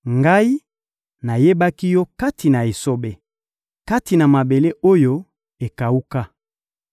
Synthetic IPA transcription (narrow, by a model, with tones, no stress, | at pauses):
ŋɡa˦i˦ | na˨je˦ba˦ki˦jɔ˦ka˦tʰi˨na˨e˨so˦be˦ | ka˦ti˨na˨ma˨be˨le˦o˦jo˦ | e˨ka˨u˦ka˦